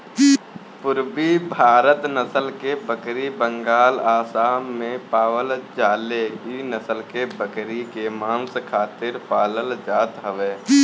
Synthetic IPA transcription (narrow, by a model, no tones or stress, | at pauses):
pʊɾbibʱaːɾət̪nəsəlkebəkɾibə̃ŋɡaːlaːsaːmːẽpaːwəld͡ʒaːleinəsəlkebəkɾikemãːnskʰaːt̪ɪɾpʰaːləld͡ʒaːt̪ɦəʋeː